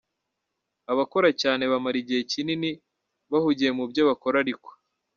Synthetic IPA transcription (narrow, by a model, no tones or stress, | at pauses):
aβako̞ɾacaːne̞βamaɾiɟiecinini | βahuɟiemubjo̞βako̞ɾaɾikwḁ